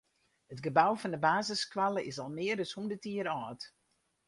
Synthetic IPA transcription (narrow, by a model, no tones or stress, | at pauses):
hətɡəbawfɔndəbaːzəskwalˠəɪsɔlˠmɪərdɔshundətiəɾɔːt